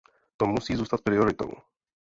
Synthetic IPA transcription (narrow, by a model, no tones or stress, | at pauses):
t̪ɔmusiːzuːst̪ac̪̚ʲpɾiɔɾɪt̪ɔ̰w